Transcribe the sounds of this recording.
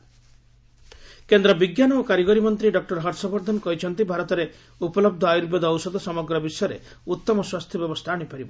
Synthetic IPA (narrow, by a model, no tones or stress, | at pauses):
kend̪ɾɔbiɡjanɔokaɾiɡɔɾimɔnt̪ɾiɖɔk̚ʈɔɾɦɔɾsɔbɔɾd̪ʱɔnkɔɦit͡ʃʰɔnt̪ibʱaɾɔt̪ɔɾe | upɔlɔb̚d̪ʱɔajuɾbed̪ɔːwsɔd̪ɔsɔmɔɡɾɔbisɔjɔɾḛ | ut̪ːɔmɔswast̪ʰjɔbjɔbɔst̪ʰaːɽ̃ipaɾibɔ